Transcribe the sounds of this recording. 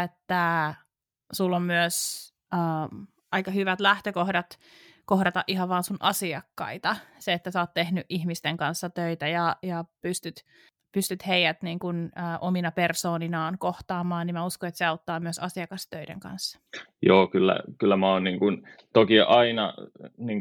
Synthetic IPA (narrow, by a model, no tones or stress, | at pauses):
et̪ːæ | sulːommyøs | əː | ʔɑikɑhyʋæt̪læht̪økohdɑt̪ | kohdɑt̪ɑʔiɦɑʋʋɑːnsunʔɑsiɑkːɑ̰it̪ɑseet̪ːæsæoːt̪t̪ehnyʔihmist̪eŋkɑnsːɑt̪øit̪æjɑjɑpyst̪yt̪ | pyst̪yt̪heijæt̪niːŋkunəːʔominɑpersoːninɑːnkoht̪ɑːmɑːnnimmæuskoet̪seɑut̪ːɑːmyøsɑsiɑkɑst̪øidḛŋkɑ̰nsːɑ̥joːkylːæ̰kylːæmæoːnniŋkun | t̪okiʔɑinɑ̰niːŋ